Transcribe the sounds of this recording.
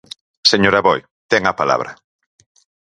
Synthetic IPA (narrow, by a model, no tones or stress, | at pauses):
seɲoɾaβɔj | t̪ɛŋapala̰β̞ɾɐ